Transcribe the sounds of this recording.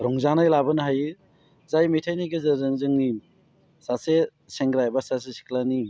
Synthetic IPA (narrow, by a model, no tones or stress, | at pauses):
ɾɔŋzanajlabɯnɦajɯ | zajmijtʰajnaɡɯzɯzɯŋzɯŋni | sase | seŋɡɾajbasas̬esi̥kʰlani